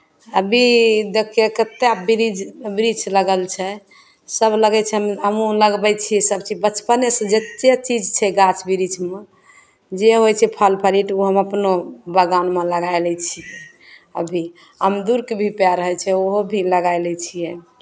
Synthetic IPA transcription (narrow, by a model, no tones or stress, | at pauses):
əbʱid̪ekjekət̪ːebiɾid͡ʒbiɾit͡ʃləɡəlt͡ʃʰɛ | səbləɡɛt͡ʃʰɛɦəmɦəmũləɡbɛt͡ʃʰiɛsəbt͡ʃid͡ʒbət͡ʃpənesə̃d͡ʒətʃet͡ʃid͡ʒt͡ʃʰɛɡat͡ʃbiɾit͡ʃme | d͡ʒeɦojt͡ʃʰɛpʰəlpʰəɾiʈoɦəməpnobəɡanmeləɡaelɛt͡ʃʰiɛ | əbʱi | ɦəmd̪uɾkebʱipaɾəɦɛt͡ʃʰɛoɦobʱiləɡajlɛt͡ʃʰijɛ